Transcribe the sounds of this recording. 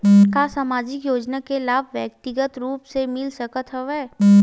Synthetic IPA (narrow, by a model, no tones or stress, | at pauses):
kasaːmaːd͡ʒɪkjoːd͡ʒnakelaːbʱʋjək̚t̪ɪɡət̪ɾuːpsemɪlsəkət̪ɦəʋeː